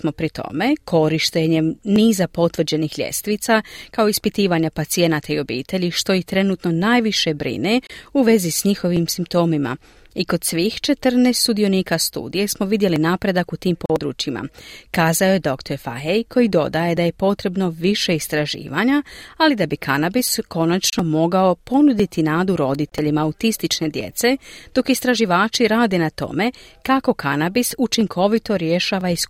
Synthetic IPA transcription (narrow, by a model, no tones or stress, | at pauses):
smo̞pɾit̪o̞̰me̞kʰo̞ɾiʃt̪eɲe̞niːzapo̞t̪ʋr̩d͡ʑe̞nixʎʲe̞̰st̪ʋit̪sakao̞ispit̪iːʋaɲapat̪sije̞nat̪aio̞bḭːt̪e̞ʎiʃt̪o̞ixt̪ɾe̞nuːt̪no̞naːjʋiʃe̞bɾḭneuʋe̞zisɲixo̞ʋimsimpt̪o̞ːmima̰ | iko̞d̪sʋiːxt͡ʃe̞t̪rneːst̪sud̪io̞niːkast̪ṵːd̪ije̞smo̞ʋid̪je̞linaːpɾe̞d̪akut̪iːmpo̞ːd̪ɾṵːt͡ʃima̰kaːzaoje̞d̪o̞kt̪o̞ɾfa̰ɦejkʰo̞jid̪o̞d̪aje̞d̪aje̞po̞t̪ɾe̞bno̞ʋiʃe̞ist̪ɾaʒḭːʋaɲaalid̪abikʰanabisko̞nat͡ʃno̞mo̞ɡao̞po̞nud̪it̪inaːd̪uɾo̞d̪it̪e̞ʎimaːut̪ist̪it͡ʃne̞d̪je̞̰t̪se̞d̪̥o̞kist̪ɾaʒiʋaːt͡ʃiɾaːd̪e̞nat̪o̞̰me̞kako̞kanabisut͡ʃiŋkʰo̞ʋit̪o̞ɾje̞ʃaːʋaisku